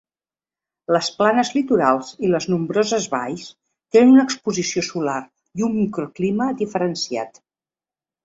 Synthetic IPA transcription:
ləsplanəzlit̪uɾalˠziləznumbɾɔzəzβa̰js | t̪enənunəkspuzisiosular | iumːikɾukliməd̪ifəɾənsia̰t̪

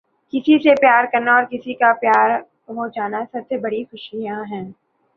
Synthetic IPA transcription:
kɪsisepjaːɾkɐɾnaɔːɾkɪsikapjaːɾ | ɦod͡ʒaːnasɐbsebɐɽixʊʃijãɦɛ̃ː

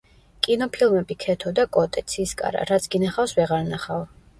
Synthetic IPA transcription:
kʼinɔpʰilˠmɛbikʰɛt̪ʰɔd̪akʼɔt̪ʼɛt̪sʰiskʼa̰ɾa̰ɾat̪sʰɡ̥inaχawsvɛʁaɾnaχav

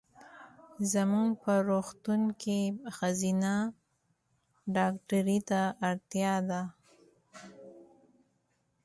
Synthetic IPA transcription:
zamuŋɡpəɾoxt̪uŋkʰexazina | ɖɑkʈaɾit̪aʔːɾt̪jɑd̪a

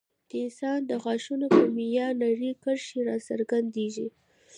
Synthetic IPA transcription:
d̪̥əɪnsɑnd̪əɣɑʃunopəmijɑnaɾikəɾʃeɾɑsəɾɡand̪eʒi

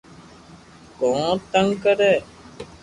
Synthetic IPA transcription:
kõːt̪əŋɡkəɾɛː

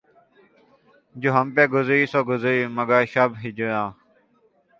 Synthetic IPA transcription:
d͡ʒoːɦəmpeːɡʊziːsoːɡʊzəiːməɡaːʃəbɦid͡ʒujãː

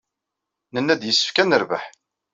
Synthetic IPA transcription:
nənːæd̪jəsːə̥fkænəɾvə̰ħ

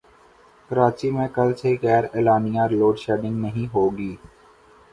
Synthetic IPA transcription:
kəɾaːt͡ʃimẽkɐlseɦikɛːɾɪːlaːnijãɾloːɖʃɛːɖɪ̃ŋɡnəɦĩɦoːɡiː

